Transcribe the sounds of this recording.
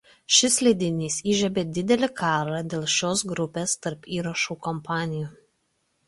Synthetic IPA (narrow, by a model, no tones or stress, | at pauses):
ʃʲɪslʲɛd̪ʲɪnʲiːsiːʒʲɛbʲeːd̪ʲɪd̪ʲɛlʲɪkʰɑːɾɑd̪ʲeːlˠʃʲoːs̬ɡɾʊpʲeːst̪ɐɾpiːɾɐʃuːkɔmpɑːnʲɪjuː